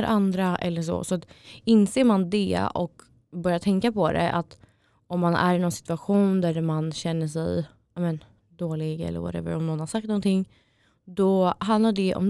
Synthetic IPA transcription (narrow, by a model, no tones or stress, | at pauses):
ɾʔand̪ɾaʔɛ̰lːəʂ̬ɔ̰sɔat̪ɪnseːɾmand̪ɛɔ̰k | bœɾjat̪ʰɛŋkapʰɔd̪ɛ̰ʔa̰t̪ | ɔmːanæ̰ɾɪnɔnsɪ̥t̪ɵaɧuːnd̪æɾmanɕɛnːəʂɛ̰j | amɛn | d̪oːlɪɡɛ̰lːə̰ɾva̰ɾɛ̰və̰ɾɔmnɔnːhaɾʂak̚t̪nɔnt̪ʰɪŋː | d̪ɔɦand̪laɖɛʔɔ̰m